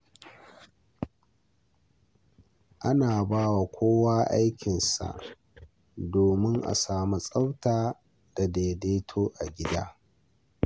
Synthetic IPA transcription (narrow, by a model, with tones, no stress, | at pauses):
ʔa˦naː˨baː˦wa˨kʷoː˦waː˦ʔa˦jkʲɪ˨nsa̰˨ʔ | doː˨mɪ˦ŋʔa̰˨saː˨mu˦sʼa˦wtaː˨ | d̥a˨deː˨deː˦tʰoː˦ʔa˨ɡʲɪ˦da̰ː˦